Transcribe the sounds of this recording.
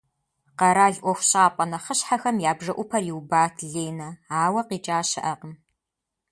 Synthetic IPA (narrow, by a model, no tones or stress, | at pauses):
qɐɾaːɮʔʷɔxʷɕʼaːpʷʼɐnɐχəɕħaxɐmjaːbʒɐʔʷʊpʰɐrjiwbaːtʰɮeːnɐaːwɐqiːt͡ʃʼaːɕɪʔɐqəm